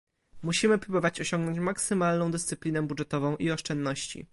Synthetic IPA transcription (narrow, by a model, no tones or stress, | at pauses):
muɕimɘpɾubɔvat͡ɕɔɕɔŋɡnɔɲt͡ɕmaksɘmalnɔ̃w̃d̪ɘst̪sɘplʲinɛbudʐɛt̪ɔvɔ̃w̃ʔiɔʂt͡ʂɛnd̪nɔɕt͡ɕḭ